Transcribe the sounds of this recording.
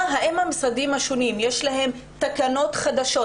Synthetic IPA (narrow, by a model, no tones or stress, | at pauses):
ɦaʔemhamsadimhaʃonimjeʃlaɦe̞mt̪akano̞tχad̪aʃo̞